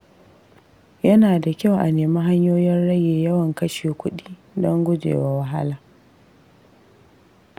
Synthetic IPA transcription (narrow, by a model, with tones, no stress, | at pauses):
jɐ˦naː˨da˨kʲa˦wʔa˨neː˨ma˦ɦa˦ɲjoː˦jɛ˦nɽɐ˦jeː˨jɐ˦wɐ˨ŋkɐ˦ʃeː˨kʷʊ˦ɗiː˦dɔ˦ŋɡʷʊ˦d͡ʒḛː˨wa˨˦wɐ˦ɦa˦laː˨